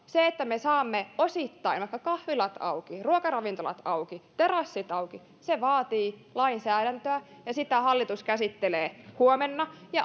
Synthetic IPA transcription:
seet̪ːæmesɑːmːeosit̪ːɑinʋɑˑikːɑkɑhʋilɑt̪ɑ̰ukiruokɑrɑʋint̪olɑ̰t̪ɑukit̪erɑsːit̪ɑuki | seʋɑːt̪iːlɑinsæːɾænt̪øæ | jɑsit̪æhɑlːit̪uskæsit̪ːeleːhuomenːɑjɑ

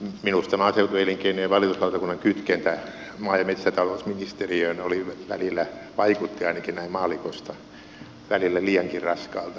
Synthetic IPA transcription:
minust̪ɑmɑɑseut̪ueiliŋkeinojɑʋɑljot̪uslɑut̪ɑkunːɑŋkyt̪kent̪æ | mɑːjɑmet̪sæt̪ɑlousminist̪eriønoliʋʋæ̰lilːˑæʋɑikut̪ːiɑinɑkinnæimmɑːlikost̪ɑ | ʋælilːæliːɑŋkirrɑskɑːlt̪ɑ

